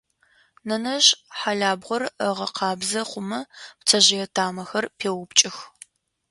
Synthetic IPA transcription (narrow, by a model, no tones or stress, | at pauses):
nɐnɐʒħaɮaːbʁʷɔrəʁɐqɑːbzɐχʷʊmɐpt͡sʰɐʑɪjɛtʰaːmɐxɐrpʰeːwʊpt͡ʃʼɪx